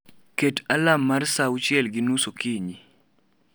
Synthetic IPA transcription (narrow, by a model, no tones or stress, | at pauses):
ketalamːarsaʊt͡ʃɪɛlɡɪnusokiɲi